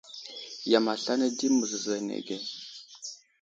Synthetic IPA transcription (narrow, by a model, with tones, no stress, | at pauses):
ja˨ma˨ɬa˦na˦di˦mə˨zza˨nḛ˨ɡe˦